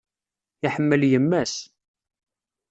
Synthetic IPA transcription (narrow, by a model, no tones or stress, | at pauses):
iħəmːəljəmːæs